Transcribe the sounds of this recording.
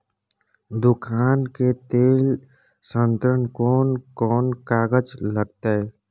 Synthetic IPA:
d̪ʊkʰaːnket̪eːl | sə̃nt̪ɾənkɔːnkɔːnkaːɡəd͡ʒləɡt̪e

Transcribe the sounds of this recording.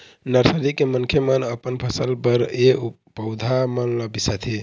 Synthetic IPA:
nəɾsəɾikemənkʰjemənəpənpʰəsəlbəɾe | pəʊd̪ʱamənləbisat̪ʰi

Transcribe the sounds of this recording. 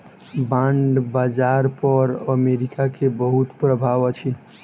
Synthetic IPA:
bãɳɖbaːd͡ʒaːɾpɔɾəmeɾikakebəɦut̪pɾəbʱaːʋət͡ʃʰi

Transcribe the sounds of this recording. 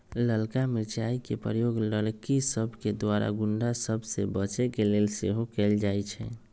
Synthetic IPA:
ləlkamit͡ʃaikepəɾəjoɡləlkisəbʱked̪waɾa̰ɡuɳɖasəbʱsebət͡ʃɛkelelseɦokɛld͡ʒajt͡ʃʰɛ̰

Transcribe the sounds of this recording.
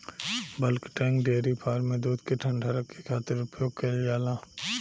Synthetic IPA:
bɐlkʈɛ̃ːŋkɖeːɾipʰaːɾmẽd̪uːd̪keʈʰə̃ɳɖʱaɾəkːekʰaːt̪ɪɾʊpjoːɡkɐljaːlaː

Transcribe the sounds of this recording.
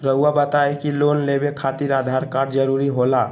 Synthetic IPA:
ɾəɦuabət̪aekilonlebekʰat̪iɾad̪ʱaɾkaɖd͡ʒəɾuɾiɦola

